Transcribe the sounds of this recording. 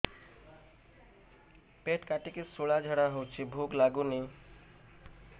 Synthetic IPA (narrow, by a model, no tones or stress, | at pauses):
peʈkaʈikesuɭad͡ʒʱəɽaɦowt͡ʃʰibʱuklaɡuni